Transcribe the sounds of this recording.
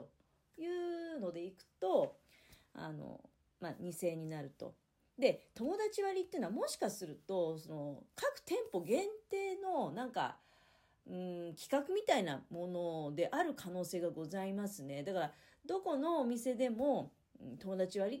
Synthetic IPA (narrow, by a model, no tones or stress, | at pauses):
o | jɯ̟ːno̞d̪e̞ikɯ̟̥t̪o̞ | a̰no̞̰ | maɲ̟ise̞ːɲ̟inaɾɯ̟t̪o̞̰ | d̪e̞t̪o̞mo̞d̪at͡ɕiβaɾʲit̪ːeiɯnoamo̞ɕi̥kasɨɾɯ̟t̪o̞so̞no̞kakɯ̟̥t̪ẽ̞mpo̞ɡẽ̞nt̪e̞ːno̞nãŋka̰ | ɯ̟̃kʲi̥kakɯ̟mʲit̪aina̰mo̞no̞d̪e̞ʔaɾɯ̟kʰano̞ːse̞ːɡaɡo̞zaimasɨne̞d̪akaɾa | d̪o̞ko̞no̞ːmʲise̞d̪e̞mõ̞ | t̪o̞mo̞d̪at͡ɕiβaɾʲi